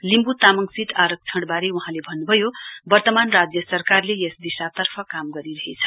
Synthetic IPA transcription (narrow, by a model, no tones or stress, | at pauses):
limbut̪amʌŋsiʈ̪aɾʌk̚t͡sʰʌɽbaɾeuɦãlebʱʌnːubʱʌjobʌrt̪ʌmanrad͡zjʌsʌrkarlejesd̪isat̪ʌrpʰʌkamɡʌɾiɾʌɦet͡sʰʌ̥